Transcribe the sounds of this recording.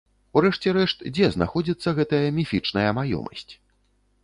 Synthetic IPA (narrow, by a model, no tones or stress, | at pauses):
uɾɛʂt͡sʲɛɾɛʂt̪d͡zʲɛzna̰xɔd͡zʲit̪sːɐɣɛt̪ɐjɐmʲifʲit͡ʂnɐjɐmajɔ̰mɐ̰sʲt͡sʲ